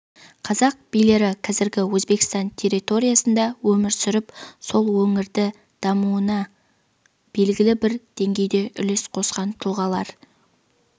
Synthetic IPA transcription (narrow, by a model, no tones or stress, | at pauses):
qʰɑzɑq̚b̥ijle̞ɾɪqʰɑzɪɾɡʲɪwɵzbe̞kʲɪ̥st̪ɑnt̪ʲʰe̞ɾit̪o̞ɾijasənd̪ɑwɵmɪɾsʏɾɪpso̞lˠwɵŋɪɾd̪ɪ | d̪̥ɑmuənɑ | b̥e̞lɡʲɪlɪbɪɾd̪̥e̞ŋɡʲe̞jd̪e̞ʔʏle̞sqʰo̞sqɑnt̪ʰʊlˠʁɑlˠɑɾ